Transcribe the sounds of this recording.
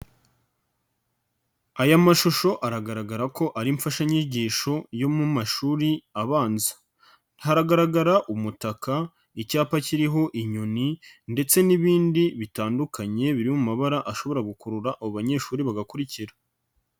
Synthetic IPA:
ajamaʃuʃo̞ʔaɾaɡaɾaɡaɾako̞ʔaɾiɱfaʃaɲiɟiːʃo̞jo̞mumaʃuːɾiaβaːnzḁ | haɾaɡaɾaɡaɾaʔumutaka | icaːpaciɾiɦo̞ʔiɲoninde̞t͡se̞niβiːndiβitaːndukʰaɲe̞βiɾimumaβaɾaʔaʃo̞βo̞ɾaɡukuɾuɾaʔaβoβaɲe̞ːʃuːɾiβaɡakuɾiciɾa

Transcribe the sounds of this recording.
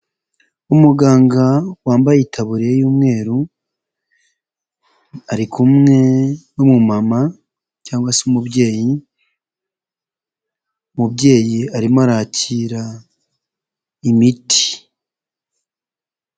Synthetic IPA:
umuɡaːŋɡawaːmbajitʰaβuɾiejuːmŋe̞ːɾu | aɾikʰumŋe̞nomumama | caːŋɡwasumubɟe̞ːji | mubɟe̞ːjiaɾimoaɾaːciɾa | imiti̥

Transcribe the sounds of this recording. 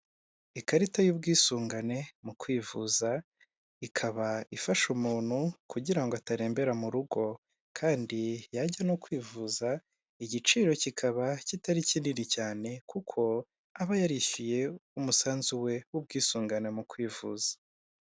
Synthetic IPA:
ikaɾitajuːb̚ɡiːsuːŋɡane̞mukwiːvuza | ikʰaβaifaʃumuːn̥hukuɟiɾaŋɡoataɾe̞ːmbe̞ɾamuɾuɡo̞ | kʰaːndijaɟanokwiːvuza | iɟit͡ʃiːɾo̞cikʰaβacitaɾicininicaːne̞kukʰo̞ | aβajaɾiçije̞umusaːnzuwe̞wub̚ɡiːsuːŋɡane̞mukwiːvuːzḁ

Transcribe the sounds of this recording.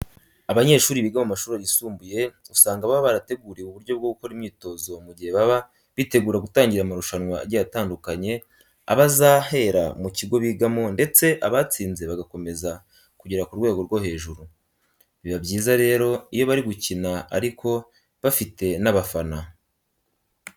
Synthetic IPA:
aβaɲe̞ːʃuːɾiβiːɡamomaʃuːɾajisuːmbuje̞usaːŋɡaβaβaβaɾate̞ɡuːɾeuβuɾɟo̞b̚ɡo̞ɡuko̞ɾimɲiːto̞zo̞muɟihe̞βaβa | βite̞ɡuːɾaɡutaːɲɟiɾamaɾuʃanŋwa̰ɾɟajataːndukaɲe̞ | a̰βazaːhe̞ːɾa̰muciɡo̞βiːɡamo̞nde̞t͡se̞ʔaβat͡siːnze̞βaɡako̞me̞za | kuɟiɾakuɾwe̞ːɡo̞ɾɡo̞he̞ːʒuɾu | βiβabɟiːzaɾe̞ːɾo̞ijo̞βaɾiɡucinaa̰ɾikʰo̞ | βafite̞naβafana

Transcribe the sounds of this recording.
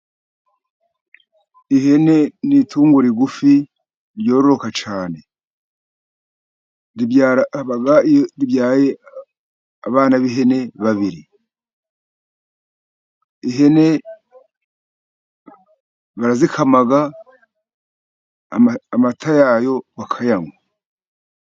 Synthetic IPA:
ihe̞ne̞nitʰuːŋɡuɾiɡufi | ɾjo̞ːɾoɾo̞kat͡ʃaːne̞ | ɾibjaβaɡaɾibjaːje | aβaːnaβiɦe̞ne̞βaβiɾi | iɦe̞ne̞ | βaɾazikʰamaɡa | amatʰajaːjo̞βakʰajamwa

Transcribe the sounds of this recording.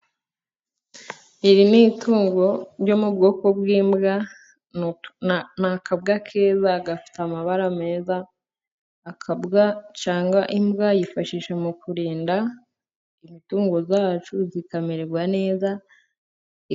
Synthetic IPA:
iɾinituːŋɡo̞ɾjo̞mub̚ɡo̞ːko̞bɡiːmbɡa | nakabɡakʰe̞ːzaːɡafi̥tamaβaɾame̞ːzaː | kbɡat͡ʃaːŋɡaʔimbɡajifaʃiːʃamukuɾiːnda | imituːŋɡo̞zaːt͡ʃuzikameɾeɡwane̞ːza

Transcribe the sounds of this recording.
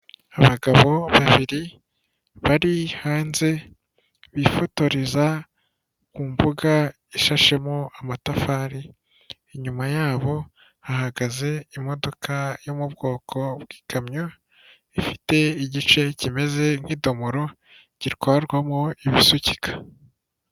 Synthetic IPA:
aβaɡaβo̞βaβiɾi | βaɾihaːnze̞ | βifo̞to̞ɾeza | kuːmvuɡa | iʃaʃe̞moamatafaːɾiː | ɲumajaːβo̞ | hahaɡaze̞imo̞do̞kʰajomubɡo̞ːkʰo̞bɡi̥ːkʰamɲo | ifi̥te̞iɟit͡ʃe̞cime̞ze̞n̥hiːdo̞moɾo̞ | ɟiɾkaaɾɡwamoiβisucikʰḁ

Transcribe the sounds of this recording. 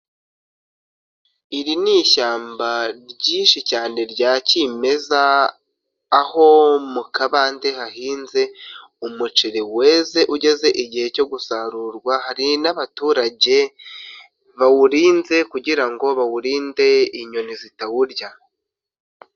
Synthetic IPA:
iɾiniʃaːmbaɾɟiːnʃicaːne̞ɾɟaːcime̞zaː | ho̞mukaβaːnde̞haɦiːnze̞ | umut͡ʃeɾeweze̞ʔuɟe̞ze̞ʔiɟihe̞co̞ɡusaɾuɾɡwahaɾinaβatuːɾaɟe̞ | βawuɾiːnze̞kuɟiɾaŋɡo̞βawuɾiːnde̞iɲo̞nizitawuɾɟa

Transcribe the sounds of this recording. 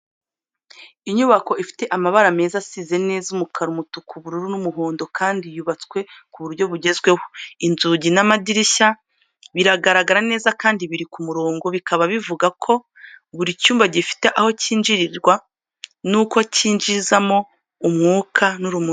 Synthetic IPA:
iɲuβako̞ʔifi̥te̞ʔamaβaɾame̞ːzasiːze̞ne̞ːzumukʰaɾumutukʰuβuɾuɾunumuɦoːndo̞kʰaːndijuβat͡skwe̞kuβuɾɟo̞βuɟe̞zɡwe̞woinzuɟinamadiɾiça | βiɾaɡaɾaɡaɾane̞ːzakaːndiβiɾikumuɾoːŋɡo̞βikʰaβaβivuɡakʰo̞ | βuɾicuːmbaɟifi̥te̞ʔaho̞ciːnd͡ʒiɾiɾɡwa | nukociːnd͡ʒizamo̞ | umŋuːkʰanuɾumu

